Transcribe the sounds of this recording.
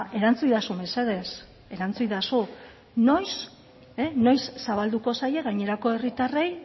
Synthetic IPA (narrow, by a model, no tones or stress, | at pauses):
e̞ɾant͡sujðasumbeseðe̞s | e̞ɾant͡sujðasu | no̞js | eno̞jsːaβald̪uko̞saje̞ɣaɲe̞ɾako̞e̞rit̪are̞j